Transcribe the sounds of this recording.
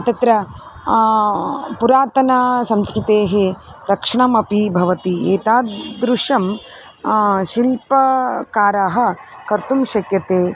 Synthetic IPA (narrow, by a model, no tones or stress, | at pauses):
ɐt̪ɐt̪ɾɐ | puɾaːt̪ɐnɐsɐmskɾɪt̪eːɦeɾɐkʂɐɳɐmɐpibʱɐʋɐt̪ieːt̪aːd̪ɾuʂɐm | ʃilpɐkaːɾaːɦɐ̆kɐɾt̪umʃɐkjɐt̪eː